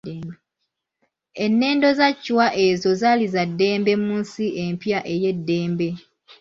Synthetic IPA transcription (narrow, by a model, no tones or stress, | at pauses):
enːe̞ːndo̞zacːwaʔe̞zo̞zalizadːe̞ːmbe̞muːnsiʔe̞mpjaʔeje̞dːe̞ːmbe̞